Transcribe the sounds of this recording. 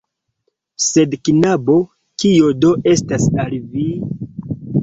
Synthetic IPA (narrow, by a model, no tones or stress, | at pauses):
se̞dknabo̞ | kiodo̞ʔe̞stasalvi